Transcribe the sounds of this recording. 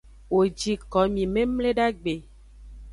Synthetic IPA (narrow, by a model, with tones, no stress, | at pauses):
wo˨d͡ʒi˨˦kɔ˨˦mĩ˨mẽ˦mle˦ɖa˦ɡ͡be˨